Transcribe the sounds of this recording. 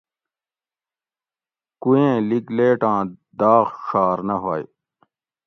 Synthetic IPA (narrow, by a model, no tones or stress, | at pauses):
kuẽːlikleːʈãːd̪aːɣʂaːɾnɐɦoːj